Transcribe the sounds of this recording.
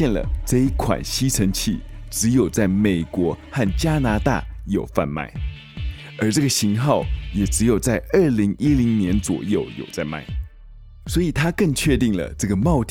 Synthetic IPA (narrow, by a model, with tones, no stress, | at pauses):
jɛ˥˩nlə̰˩ʈ͡ʂɤ˥˧i˥kʰwa̰˨˩nɕi˥ʈ͡ʂʰə˧˥ŋt͡ɕʰi˥˩ʈ͡ʂɻ̩˧˥jo˨˩ʊt͡sa˥˩ɪme˨˩ɪkwɔ˧˥xa˥˩nt͡ɕja˥na˧˥t̪a̰˥˩jo˨˩ʊfa̰˥˧nma̰˥˩ɪ | ə˞˧˥ʈ͡ʂɤ˥˩ɡə˩ɕi˧˥ŋxɑ˥˩ʊjɛ˨˩ʈ͡ʂɻ̩˧˥jo˨˩ʊt͡sa˥˧ɪə˞˥˩li˧˥ŋi˥li˧˥ŋnjɛ˧˥nt͡swɔ̰˨˩jo˥˩ʊjo̰˨˩ʊt͡sa˥˧ɪma̰˥˩ɪ | swɔ˧˥i˨˩t̪ʰa˥kə˥˧ŋt͡ɕʰɥɛ˥˧t̪i˥˩ŋlə̰˩ʈ͡ʂɤ˥˩ɡə˩mɑ˥˧ʊt̪